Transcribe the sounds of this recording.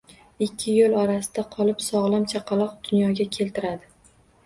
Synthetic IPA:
ɪkʲʰːɪjolˠɒɾasɪd̪aqʰɒlˠɪpsɒʁlˠamt͡ʃʰaqʰɑlˠɒq̚d̪̥ʊnjɒɡʲakʲʰe̞lt̪ʰɪɾad̪ɪ

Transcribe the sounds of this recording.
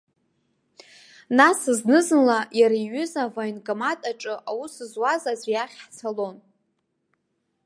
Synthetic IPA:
nasɨznɨzɨnlajaɾaiɥʏzavaɥnkʼamatʼaʈ͡ʂʼɨʔawusɨzwazazʷjaχʲħt͡sʰalo̞n

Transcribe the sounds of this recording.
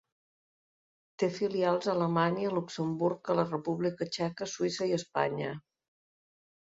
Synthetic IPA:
t̪efilialˠzələmaɲiəluksəmbuɾkələrəpuβlikət͡ʃɛkəsuisəiəspa̰ɲə

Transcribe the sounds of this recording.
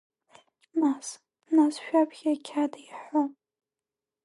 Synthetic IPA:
mas | nasʃᶣapʰɡʲakʲʰadaiħo

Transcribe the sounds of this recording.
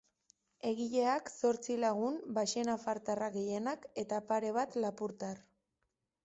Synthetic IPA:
e̞ɣiʎe̞akso̞ɾt͡silaɣ̞umbaʃenafaɾt̪araɣe̞je̞nake̞t̪apaɾe̞β̞at̪lapuɾt̪ar

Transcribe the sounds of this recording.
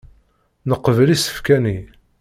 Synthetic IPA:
nəqːəvlisə̥fkæni

